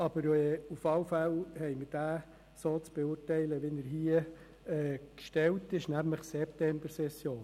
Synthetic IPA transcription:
ɑb̥əɾɛufɑlfælhɛɪməd̥æː | soːt͡sb̥ɛʊːrtɛɪləʋɪnəɾɦiə | ɛːkʃtɛltɪʃnæmləχsɛptɛmbəɾsɛsjoːn

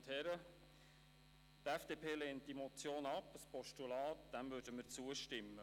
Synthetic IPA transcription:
thɛɾə | tɛfd̥epʰeːlɛːntd̥imɔt͡sjoːnɑpspɔʃtulɑːtd̪̥æmvɵɾdəməɾt͡suəʃtɪmːə

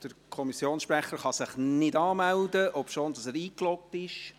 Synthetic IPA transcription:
d̥əɾkʰɔmisjoːnsʃprɛχːəɾχɑsɪχnɪdɑːmældəʔɔpʃoːndɑsɛːɾiːklɔk̚tɪʃ

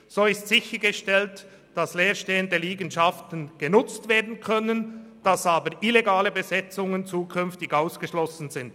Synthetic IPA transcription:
z̥oːɪstz̥ɪçəɡəʃtɛlt | d̥ɑsleːʁʃteːəndəliːɡənʃɑftən̩ɡ̥ənʊt͡stveːɐdn̩kʰœnənd̥ɑsaːbəʁʔileɡaːləbəzɛt͡sʊŋənt͡suːkʰʏnftɪɡaʊsɡ̥əʃlɔsn̩zɪnd

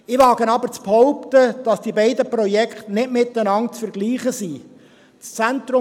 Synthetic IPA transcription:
ɪʋɑːɡənɑbəɾt͡sphɔʊpt̪əd̥ɑsd̥ibɛɪd̪əpɾɔjɛkχtnɪtmɪt̪ːənɑŋt͡sfəɾɡliːχəsi | t͡st͡sæntɾʊ

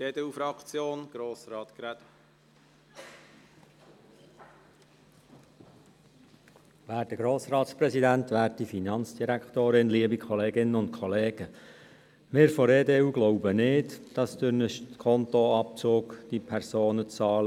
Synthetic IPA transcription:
eːd̪eufɾɑkt͡sjoːnɡ̥ɾoːsɾɑːt̪kɾɛt̪ | ʋæːɾt̪əɡ̥ɾoːsɾɑːt̪spɾɛsidænt̪ʋæːɾtifinɑnt͡sd̥iɾækχt̪oːɾɪnliːəbikʰχɔleːɡɪnəʊnt̪̚kʰɔleːɡ̥ə | mɪːɾfɔɾeːdeuɡlɔʊbənɪːtd̥ɑsd̥̪ʏnəʃkʰɔnt̪oɑp̚t͡soːkd̥ipʰɛɾsoːnət͡sɑːlə

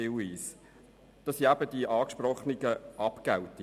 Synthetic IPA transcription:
ɪwiːs | d̥ɑsiæbəd̥iʔɑːkʃprɔχniɡəɑpɡ̥ɛwti

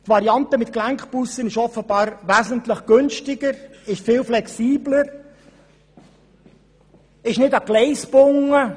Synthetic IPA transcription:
t̪vɑɾiɑnt̪əmɪt̪klæŋkχpusːənɪʃɔfəbɑːɾʋæzən̩t̪ləχɡ̥ɵnʃtɪɡəɾɪʃfɪːlflɛksiːbləɾ | ɪʃnɪdɑɡ̥lɛɪspʊŋːə

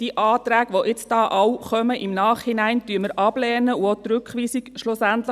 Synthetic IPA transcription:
d̥iːʔɑːt̪ɾæːɡʋoʔɪt͡sd̥ɑːʔɑwχœməʔɪmnɑːχhɪnæɪntyəməɾʔɑb̥lɛːnəuot̪ɾʉkχʋiːsikʃlʊsænt̪lə

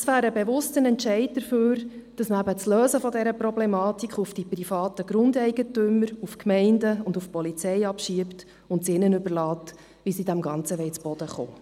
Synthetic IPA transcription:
sʋæːɾəbeʋʊstənɛntt͡ʃɛɪd̚d̪əɾføːɾd̥ɑsməæbət͡sløːsəfɔdɛɾəpɾɔblɛmɑːtikχufd̥iprifɑːtəɡ̥ɾʊndɛɪɡətʏməɾufkmɛɪndəʊndufpɔlit͡sɛɪɑpʃiəpt | ʊntsɪnənʏbərlɑːt | ʋisidæmɡɑnt͡səʋɛɪt͡sb̥ɔd̥əχo̰ː

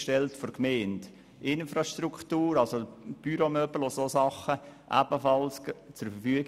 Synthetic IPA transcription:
ʃtɛltfɔɾkmeɪnt | ɪnfɾɑʃtruktuːɾɑlsob̥yɾomœbl̩ososɑχəʔæ̰b̥əfɑlst͡sʊɾfəɾfyəɡ

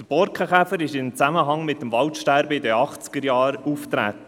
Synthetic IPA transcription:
dəb̥ɔɾkχəχæfəɾɪʃɪnt͡sæməɦɑŋmɪt̪ːəmvɑwtʃtæɾbəɪd̪əɑχt͡skəɾjɑːɾuft̪ɾæ̰ːt̪ə

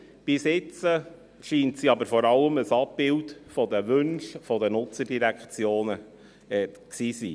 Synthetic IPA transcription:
b̥ɪsɪt͡sə | ʃiːntsiɑbəɾfɔɾɑləməsɑp̚bɪltfɔd̪əʋʏnʃfɔdənʊt͡sədiɾækχt͡sjoːnə | ɛksiːsiː

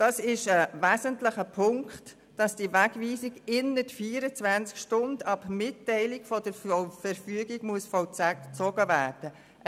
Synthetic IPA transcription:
d̥ɑːsɪʃəvæːzəntlɪχəpʰʊŋkkχtː | ɑsd̥ivæɡviːsiɡɪnətfiːɾət͡svænskʃtʊndɑbmɪtːɛɪlɪɡfɔd̥əɾfəɾfyəɡiɡmuəsfɔt͡sæt͡sɔɡəvæːrd̥ə

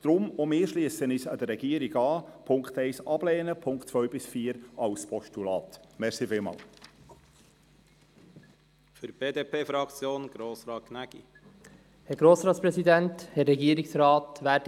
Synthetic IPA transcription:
d̥ɾʊmomɪːʃliːəsənɪsɑ̰d̪əɾɛɡ̥iəɾiɡɑːpʰʊŋkt̪ɛɪsɑb̥lɛːnəpʰʊŋktt͡sʋœɥbɪsfiːəɾɑʊspʰɔʃtulɑːt̪mɛɾsifɪlmɑ̰ːl | fyɾb̥eːd̪eːpʰeːfɾɑkt͡sjoːnɡ̥ɾoːsɾɑːknæɡ̥ḭ | hɛɾɡɾoːsɾɑːtspɾɛsidɛnthɛrːɛɡiːəɾɪksɾɑːtʋæːd

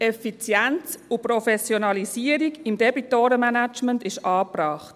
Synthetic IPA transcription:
ɛfit͡sjænt͡suprɔfɛsjonɑlisiəɾiɡimd̥ɛbitoːɾəmænat͡ʃməntɪʃɑːpɾɑːχt

